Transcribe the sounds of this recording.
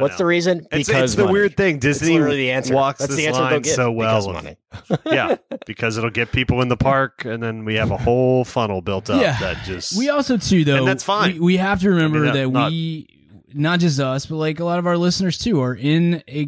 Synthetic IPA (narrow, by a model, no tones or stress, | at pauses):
wʌtsðɨɹizɨ̃nɨɨsɪzsðɨwɪɹd̪̚θɪ̃ŋdɪzniiðiæ̃nsɔksðɪðæ̃nlsaə̃ɪ̃nsoʊwɛll̰ˠ | jæb̥ɨkʰʌzɨɾl̩ˠɡɛt̚pʰipl̩ˠə̃nðəpʰɑɹkɨ̃nðɨ̃nwiɨvəhoʊlˠfʌnl̩ˠbɪlˠtʰʌjæðɨ̰t̚d̥ʒ̥ʌswiɔlˠsoʊtʰʉðoɨ̃ʊðætsfʌ̃iwiɦæftɨɹɨmɛ̃mbə˞ðɨt̚wi | nət̚d̥ʒ̥ʌs̬tʌsb̥ʌt̚ˡlaɪk̬əlɔɾʌvaʊə˞lɪsnə˞z̥tʰʉə˞ʔɪ̃nɨ